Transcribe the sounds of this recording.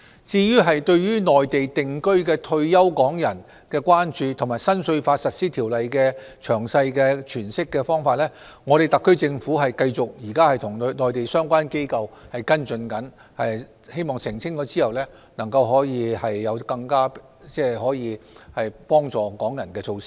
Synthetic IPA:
t͡siː˧jyː˥ɦɐ˨jt̪ɵ˧ɥɥyː˥nɔː˨jt̪e˨jt̪ɪ˨ŋkɵ˥ɥkɛː˧t̪ʰɵ˧ɥjɐ˥wkɔː˨˥ŋjɐ˨˩n | kɛː˧kʷwaː˥nt͡ʃyː˨˧t̪ʰʊ˨˩maː˨˩jsɐ˥nsɵ˧ɥfaː˧t̚sɐ˨t̚siː˥t̪ʰiː˨˩wlɐ˨jkɛː˧ | t͡ʃʰœː˨˩ŋsɐ˧jkɛː˧t͡ʃʰyː˨˩nsɪ˥kːɛː˧fɔː˥ŋfaː˧t̚lɛː˥ŋɔː˨˧ɾe˨˩t̪ɐ˨kʰːɵ˥ɥt͡sɪ˧ŋfuː˨˥ɦɐ˨jkɐ˧jt͡sʊ˨k̚jiː˨˩kaː˥hɐ˨jt̪ʰʊ˨˩ŋ˧nɔː˨˩jt̪e˨jsœː˥ŋkʷaː˥nke˥jkɐ˧whɐ˨jkɐ˥nt͡sɵ˧nkɐ˨˥n | hɐ˨j | he˥jmɔː˨˩ŋsɪ˨˩ŋt͡sʰɪ˥ŋt͡ʃɔː˧t͡siː˥hɐ˨wlɛː˥ | nɐ˨˩ŋkɐ˧wɦɔː˨˥jiː˧hɐ˨jːɐ˨˧wkɐ˧ŋkaː˥ | t͡sɛː˥ɦɔː˨˥jiː˨˧hɐ˨jpɔː˥ŋt͡sɔː˨kɔː˨˥ŋjɐ˨˩nkɛː˧t͡sʰo˧wsɪ̥˥k̚

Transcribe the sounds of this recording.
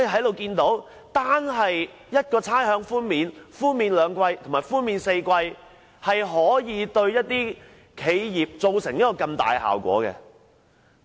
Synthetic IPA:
ji˨ɦɐ˨˥jlo˨wkiː˧nt̪o˨˥w | t̪aː˥nɦɐ˨j | jɐ˥t̚kɔː˧t͡sʰaː˥jhœː˨˥ŋfuː˥nmiː˨nfuː˥nmiː˨˧nlœː˨˧ŋkwɐ˧jt̪ʰŋmaː˨˩jfuː˥nmiː˨nse˧jkʷɐ˧j | hɐ˨jɦɔː˨˥jiː˨˥t̪ɵ˧ɥjɐ˥t̚t̪ːiː˥ | kʰe˨˧jjiː˨p̚t͡so˨wsɪ˨˩ŋni˦˥kːɔː˧kɐ˧mt̪a̰ː˨jɦa̰ː˨˩wkʷɔ̰ː˨˥kɛ̰˧

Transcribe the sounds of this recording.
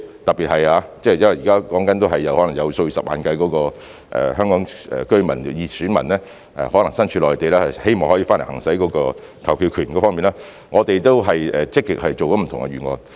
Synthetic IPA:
t̪ɐ˨k̚piː˨t̚hɐ˨jaː˨˧t͡sɛː˥˩jɐ˥nwɐ˨˩jiː˨kaː˥kɔː˨˥ŋkɐ˨˥nt̪o˥wɦɐ˨jːɐ˨˧whɔ˨˥lɐ˨˩jɐ˨˧wsɵ˧ɥsɐ˨p̚ma̰ː˨˧nkɐ˧jkɔː˨˥kɔː˧ | ʔɛ̰ː˨hœː˥ŋkɔː˨˥ŋɛ̰ː˨˩kɵ˥ɥmɐ˨˩njiː˨˧syː˨˥nmɐ̰˨˩nlɛː˥ | ɛ̰˨˧hɔː˨˥lɐ˨˩ŋsɐ˥nt͡ʃʰyː˧lɔː˨˩jt̪e˨jlɛː˥hɐ˨jhe˥jmɔː˨ŋhɔː˨˥jiː˧fa˥nle˨˩hɐ̰˨˩ŋsɐ˨˥jkɔː˨˥kɔː˧ | kʰɐ˨˩wpʰiː˧wkʰyː˨˩nkɔː˧˥fɔː˥miː˨naː˥ | ŋɔː˨˧t̪e˨jt̪o˥wɦɐ˨jɛː˨t͡sɪ˥kːɪ˨k̚hɐ˨jt͡ʃo˨wkɔ˨˦˥m̩˨˩t̪ʰʊ˨ŋɡɛ̰˧yː˨˩ŋɔ̰ː˧n

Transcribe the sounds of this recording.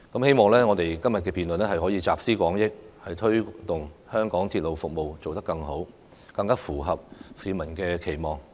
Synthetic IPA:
kɐ˨˥mhe˥jmɔː˨ŋlɛː˥ŋɔː˨˧t̪e˨jkɐ˥mjɐ˨t̚kɛː˧piː˨nlɵ˨nlɛ˥ɦɐ˨jɦɔː˨˥jiː˨˧t͡saː˨p̚siː˥kʷɔː˨˥ŋjɪ˥k̚hɐ˨jt̪ʰɵ˥ɥt̪ʊ˨˩ŋhœː˥ŋkɔː˨˥ŋt̪ʰiː˧t̚lo˨wfʊ˨k̚mo˨wt͡so˨wt̪ɐ˥kːɐ˧ŋɦo˨˥w | kɐ˧ŋkaː˥fuː˨˩ɦɐ˨p̚siː˨˧mɐ˨˩nkɛː˧kʰe˨˩jmɔː˨˩ŋ

